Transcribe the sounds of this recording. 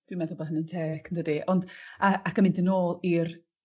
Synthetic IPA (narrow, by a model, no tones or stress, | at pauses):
d̥wimɛðʊbaɦənəntʰeːkʰəndədiʔɔnd̥aakʰəmɪndənoːlˠir